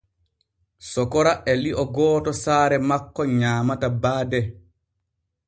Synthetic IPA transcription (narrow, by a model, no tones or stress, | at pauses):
sɔkɔɾaʔɛliʔɔɡɔːtɔsaːɾɛmakːɔɲaːmatabaːdɛ